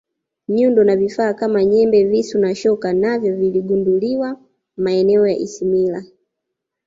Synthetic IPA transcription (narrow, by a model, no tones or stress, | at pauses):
ɲundɔnavifaːkamaɲɛmbɛvisunaʃɔkanavjɔviliɡunduliwa | maɛnɛɔjaʔisimila